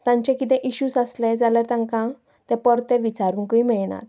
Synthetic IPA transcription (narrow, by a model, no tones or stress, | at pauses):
t̪ãɲt͡ɕɛ̃kit̪ɛ̃ʔiɕusaslɛd͡zalaɾt̪ãŋkã | t̪ɛ̃pɔɾt̪ɛ̃ʋit͡saɾuːŋkəimɛɭɳa̰t̪